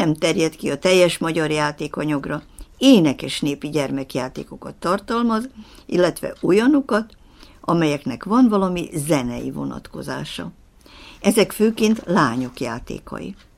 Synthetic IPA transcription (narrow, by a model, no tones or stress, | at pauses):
ɛmt̪ɛrjɛt̪kiɒt̪ɛjːɛʃmɒɟɒrjaːt̪eːkɒɲɒɡrɒeːnɛkɛʃneːpiɟɛrmɛkjaːt̪ḛːko̞kɒt̪ːɒrt̪ɒlmɒzilːɛt̪ʋɛ̰ʔojɒnokɒt̪ | ɒmɛjɛknɛkʋɒnvɒlɒmizɛnɛjḭvo̞̰nɒ̰t̪ko̞̰za̰ːʃɒ̰ | ɛzɛkføːkeːnt̪laːɲo̞kjaːt̪ḛːkɒ̰jḭ